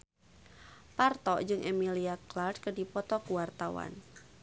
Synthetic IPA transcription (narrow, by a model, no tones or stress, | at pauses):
part̪ɔd͡ʒɨŋʔɛmiliaklard̚kədipɔt̪ɔkuwart̪awa̰n